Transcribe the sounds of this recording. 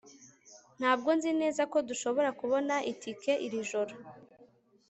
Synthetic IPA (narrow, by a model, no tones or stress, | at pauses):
n̥haːb̚ɡo̞nzine̞ːzako̞duʃo̞βo̞ɾakuβo̞naʔitʰike̞ʔiɾiʒoɾo